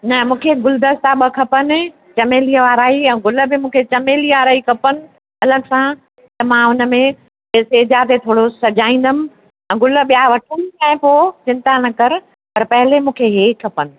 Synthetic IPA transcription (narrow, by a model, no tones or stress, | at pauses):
nɐmũːkʰeɡʊld̪əst̪aɓɐkʰɐpənɪ̆ | t͡ɕɐmeːliəʋaːɾaːiɛ̃ːɡʊlə̆bɪmũːkʰet͡ɕɐmeːliʋaːɾaːikʰɐpənɪ̆ | ɐləɡsã | t̪ɐmãʊnə̆mẽ | esed͡ʑat̪et̪ʰoːɽosɐd͡ʑʱaːĩːn̆d̪ənɪ̆ | ɛ̃ːɡʊlə̆ɓijaʋɐʈʰənãːɪ̃poːt͡ɕɪ̃nt̪anɐkɐɾ | pɐɾpɐɦɪlemũːkʰeɦeːkʰːɐpənɪ̆